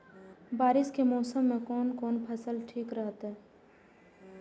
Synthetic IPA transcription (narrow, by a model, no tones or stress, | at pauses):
baːɾɪskemɔːsəmːẽkɔːnkɔːnpʰɐsəlʈʰiːkɾəɦət̪ɦɛː